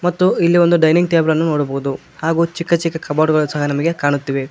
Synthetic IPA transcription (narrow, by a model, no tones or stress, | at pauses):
mɐt̪ːuilːio̞nd̪uɖɐjniŋɡ̚ʈ̪eːblɐnːunoːɽɐboːud̪u | haːɡuːt͡ʃikːɐt͡ʃikːɐkɐbaːʈɡɐɭusɐɦɐnɐmɐɡekaːɳut̪ːiːʋe̞